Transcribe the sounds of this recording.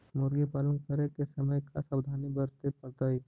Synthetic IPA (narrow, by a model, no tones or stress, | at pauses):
moɾɡipaːlə̃ŋkəɾekesɐməjkʰa̰sabd̪ʱaːnibəɾt̪epəɾt̪ai